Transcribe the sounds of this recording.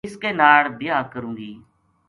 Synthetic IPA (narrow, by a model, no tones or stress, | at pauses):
ɪskeːnaːɭb̪ɪjaːkəɾũːɡiː